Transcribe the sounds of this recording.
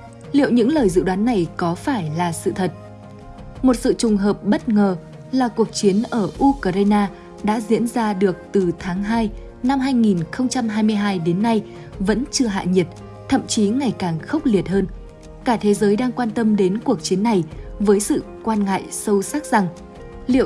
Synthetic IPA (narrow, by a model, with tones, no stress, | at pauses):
lḭ˧˨əwɲɨ̰˧˥ŋləː˨˩jzɨ̰˧˨ɗwaː˨˦nːa˨˩jkɔ˨˦faː˧˩jlaː˨˩sɨ̰˧˨t̪ʰə˨˩t̚ | mo˨˩t̚sɨ̰˧˨t͡ɕʊ˨˩ŋ͡mɦəː˨˩p̚ɓə˦˥t̚ŋəː˨˩ | laː˨˩ku˨˩ək̚t͡ɕi˨˦ənʔəː˧˩ʔu˧kə˧za˧naː˧ | ɗa̰ː˧˥zḭ˧˥ənzaː˧ɗɨ˨˩ək̚t̪ɨ˨˩t̪ʰaː˨˦ŋɦaː˧j | na˧mɦaː˧jŋi˨˩nxə˧wŋ͡mt͡ɕa˧mɦaː˧jmɨ˧əjɦaː˧jɗe˨˦nːa˧j | və̰˧˥nt͡ɕɨ˧əɦa̰ː˧˨ɲi˨˩ət̚ | t̪ʰə̰˧˨mt͡ɕi˨˦ŋa˨˩jkaː˨˩ŋxə˦˥wk͡p̚li˨˩ət̚ɦəː˧n | kaː˧˩t̪ʰe˨˦zəː˨˦jɗaː˧ŋkwaː˧nt̪ə˧mɗe˨˦nku˨˩ək̚t͡ɕi˨˦ənːa˨˩jvəː˨˦jsɨ̰˧˨kwaː˧nŋa̰ː˧˨jsə˧wsaː˦˥k̚z̥a˨˩ŋ | lḭ˧˨ə˨